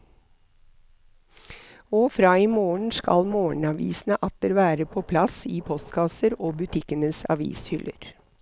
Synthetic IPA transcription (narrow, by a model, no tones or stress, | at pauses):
oːfɾɑːiːmoːɳ̩skɑ̰lmoːɳ̩ɑʋḭːsn̩əʔɑt̪̚d̪eəɾʋæːɾəpʰoːpʰlɑsiːpʰɔst̪kʰɑsəɾoːbʉt̪ʰɪkənəsɑ̰ʋḭːshʏlʔə̰ɾ